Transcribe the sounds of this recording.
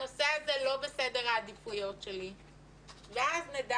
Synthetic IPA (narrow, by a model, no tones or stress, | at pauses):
osɛazɛlo̞besɛd̪eʁaːd̪ifujot̪ʃeli | veazned̪a